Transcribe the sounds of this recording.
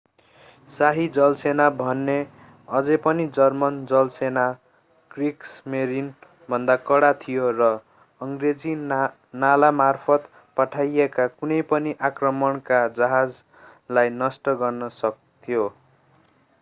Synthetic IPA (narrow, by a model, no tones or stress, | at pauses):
saɦid͡zʌlsenabʱʌnːe | ʌd͡zʌpʌnid͡zʌrmʌnd͡zʌlsena | ɡ̥riksmeɾin | bʱʌnd̪akʌɽat̪ʰijorʌ | ʌŋɡred͡zi | nalamarpʰʌt̪ | pʌʈʰajekakunʌjpʌniʔakrʌmʌɳkad͡zʌɦad͡z | lajnʌsʈʌɡʌrnʌsʌk̚ | t̪ʰijo